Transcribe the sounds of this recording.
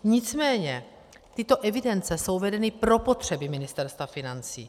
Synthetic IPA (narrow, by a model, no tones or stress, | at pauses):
ɲɪt͡smɛːɲɛ | t̪ɪt̪o̞ʔɛvɪdɛnt͡sɛso̞wvɛdɛnɪpɾo̞po̞t̪r̝̥ɛbɪmɪnɪst̪ɛɾst̪vafɪnant͡sḭː